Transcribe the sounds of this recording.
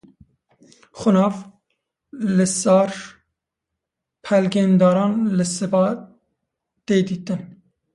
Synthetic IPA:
xʊnɑːf | lɨsɑːɾ | pʰɛlɡeːnd̪ɑːɾɑːnlɨsɨbɑː | t̪eːd̪iːt̪ɨn

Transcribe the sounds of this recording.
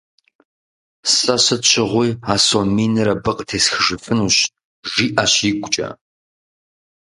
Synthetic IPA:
sɐɕɐt͡ʃʰɪʁʷiːaːsomiːnɨɾɐbɨqʼtʰeːsxɨʐɨfɨnuːɕ | ʒiːʔaɕjiɡʷʊt͡ʃʼɐ̰

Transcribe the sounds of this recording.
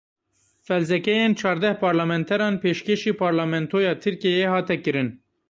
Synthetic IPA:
fɛlzɛkɛjent͡ʃʰɑːɾd̪ɛhpʰɑːɾlɑmɛnt̪ʰɛɾɑːnpʰeːʃkeʃiːpʰɑːɾlɑːmɛnt̪ʰoːjɑːt̪ʰɨɾkijehɑːt̪ɛkɨɾɨn

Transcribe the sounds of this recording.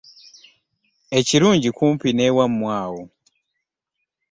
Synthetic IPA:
et͡ʃiɾuɲd͡ʒikʰumpinɛwam̩mwaːwɔ

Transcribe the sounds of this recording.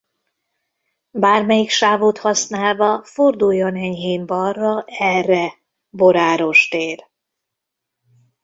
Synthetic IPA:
baːrmɛjikʃaːvoːt̪hɒsnaːlvɒford̪ujːonɛɲɦeːmbɒrːɒʔɛrːɛ | bo̞ɾaːɾo̞ʃt̪eːr

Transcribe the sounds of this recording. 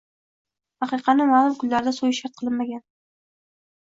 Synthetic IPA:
ɑqɨqʰɑnɪmaːlˠʊmkʰʊlːaɾɪd̪asojɪʃaɾt̪̚qʰɨlˠɪnmaɡʲan

